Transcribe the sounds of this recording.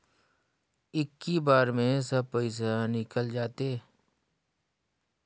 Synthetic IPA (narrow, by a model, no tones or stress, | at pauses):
ɪkːibaːɾmẽs̬əb̚pəɪs̬anɪkəld͡ʒaːt̪eː